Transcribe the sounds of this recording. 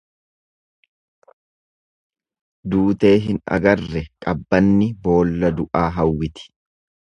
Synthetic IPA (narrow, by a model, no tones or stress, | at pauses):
d̪uːt̪e̞ːɦɪnɐ̰ɡɐrːɛkʼɐbːɐnːɪbo̞ːlːɐd̪ʊʔaːɦɐwːɪt̪ɪ̥